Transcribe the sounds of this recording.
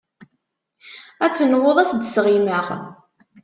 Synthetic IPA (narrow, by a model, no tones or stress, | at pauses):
æt͡sːənwoðˤæsd̪sʁiməʁ